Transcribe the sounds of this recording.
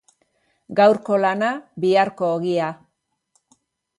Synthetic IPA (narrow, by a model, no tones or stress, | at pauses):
ɡawɾko̞lanabiaɾko̞ːɣia